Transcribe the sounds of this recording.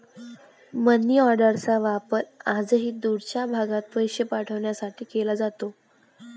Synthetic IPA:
mənːiɔɾɖəɾt͡saʋapəɾad͡zəɦiːd̪uɽt͡ɕjabʱaɡãt̪ʋəjɕjəpaʈʰəʋɳjasaʈʰiːkelad͡zat̪o

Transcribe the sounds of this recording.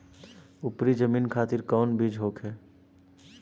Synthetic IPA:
ʊpɾid͡ʒəmiːnkʰaːt̪ɪɾkɔːnbʱiːd͡ʒɦoːkɦɛː

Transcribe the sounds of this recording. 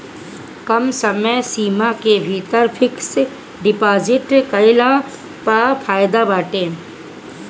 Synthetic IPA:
kɐmsɐməjsiːmakebʱiːt̪əɾpʰɪks | ɖɪpaːzɪʈkəjlãː | papʰaːjd̪abaːʈẽː

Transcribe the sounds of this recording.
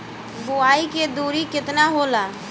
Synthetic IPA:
buaiked̪uɾikɪt̪naɦola

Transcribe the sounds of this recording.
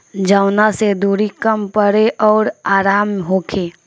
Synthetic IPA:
d͡ʒaːʊnased̪uːɾikəmpəɾeʔɔːɾaːɾaːmɦoːkʰeː

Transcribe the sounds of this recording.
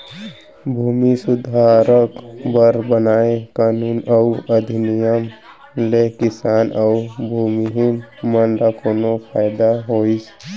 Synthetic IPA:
bʱumisʊd̪ʱaɾəkbəɾbənaːekaːnuːnəuəd̪ʱinijəm | lekɪsaːnəʊbʱuːmiɦinmənɾakonopʰaːjd̪aɦoːis

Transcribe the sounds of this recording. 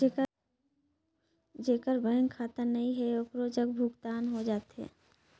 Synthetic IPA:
d͡ʒeːkəɾbə̃ŋkʰaːt̪ənəĩɦɛokɾod͡ʒəkbʱʊkt̪aːnɦod͡ʒaːt̪ɦɛ̰ː

